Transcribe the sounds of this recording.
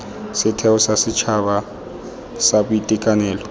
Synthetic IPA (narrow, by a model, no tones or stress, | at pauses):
sɪtʰɛʊsasɪt͡ʃʰaba | sabʊitʼɪkʼanɛːlɔ